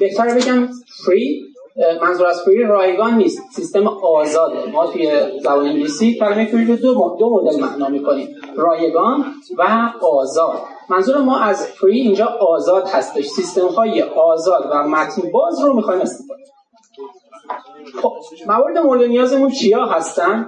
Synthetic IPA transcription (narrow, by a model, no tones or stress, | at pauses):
b̥e̞ht̪ʰæɾbe̞ɟæmfɾi | mænzuːɾæzfɾirɒːje̞ɡɒːnːiːst̪sist̪emɒːzɒːd̪ḛmɒːt̪ʰujezæbɒːnemiliːsiːcʰælæmejfɾiɾod̪od̪omoɾd̪elmæ̰ʔnɒːmiːkʰoniːm | rɒːje̞ɡɒːnvæɒːzɒːd̪̥ | mænzuːɾæmːɒːʔæzfɾiːnd͡ʒɒːʔɒːzɒːd̪̥hæst̪e̞ʃsist̪e̞mhɒːje̞ʔɒːzɒːd̪væmæt̪ʰnbɒːzromiːxɒːjmæst̪i | xob̥̚mævɒːɾe̞d̪emo̞ɾed̪e̞nijɒːze̞munt͡ʃʰijɒːɦæst̪ænd̪